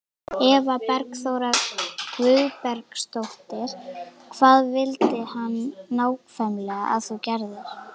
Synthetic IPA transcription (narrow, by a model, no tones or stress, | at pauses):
ɛvapɛɾksowɾakvʏðpɛɾkst̪owht̪ɪɾ̥kʰv̥aːðvɪlt̪ɪhanːaːwkfɛmlɛɣa̰a̰ðθɔwcɛɾðʏɾ̥